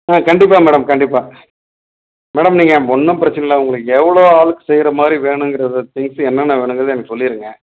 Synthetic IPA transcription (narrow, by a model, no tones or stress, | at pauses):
ãːkɐɳɖɪpːaːmɛːɽɐmkɐɳɖɪpːaː | mɛːɽɐmniːŋɡɐɔnːɐpɪɾɐt͡ʃːɐnɐlãːʊŋɡɐɭɯkːɛʋɐɭoːaːɭɯkːɯ̥sɛjɪɾɐmaːd̪ɾiʋeːɳɯ̃ŋɡɪɾɐðɯt̪ɪŋsɛnːɐnːɐʋeːɳɯŋɡɐɾɐðeɛnɐkːɯsɔlːɪɾɯŋɡɐ